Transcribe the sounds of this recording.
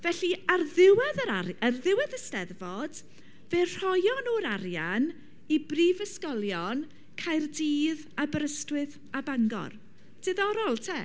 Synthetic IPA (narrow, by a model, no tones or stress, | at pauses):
vɛɬiarðɪwɛðəɾaɾərðɪwɛðəstɛðvɔd̥ | ver̥ɔjɔnoɾaɾjan | ibriːvəskɔlˠjɔn | kʰajrdiːð | abɾəstwɨð | abaŋɡɔ̰r | d̥ɨðɔɾɔlˠtʰɛ